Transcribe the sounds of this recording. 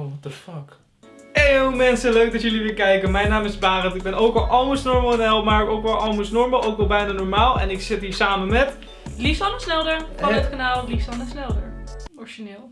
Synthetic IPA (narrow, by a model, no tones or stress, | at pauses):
ʋɔtəfɑk | ejowmɛnsəløɥk̚dɑtjɵliʋɪːɹkɛjkənmɛjnaːmɪzbaːrətɪɡ̚bɛnowkʋɛlˠʔɑlˠməsnɔɹmlˠɪnɛlˠpmaɹəkowkʋɛlˠɑlˠməsnɔɹməlˠʔowkʋɛlˠbɛjnaːnɔɹmaːlˠɛ̰nɪksɪtiːɹsaːmənmɛt | lifsɑnəsnɛlˠdəɹfɑ̃ətkanaːlˠlifsɑnəsnɛlˠdəɹɔɹʃinɪːlˠ